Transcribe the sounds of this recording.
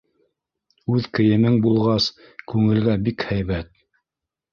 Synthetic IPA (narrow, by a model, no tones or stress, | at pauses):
ʉðkɘ̆jɘ̆mɘŋbulˠʁɑs | kʉŋɘ̆lɡæbikhæjβæt̪̚